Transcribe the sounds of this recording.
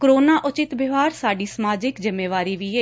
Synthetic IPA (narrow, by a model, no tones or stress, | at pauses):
kɾoːnaːʔʊt͡ʃɪt̪bɪʋaːɾsaːɖiːsəmaːd͡ʒɪkzɪmːeːʋaːɾiːʋiːeː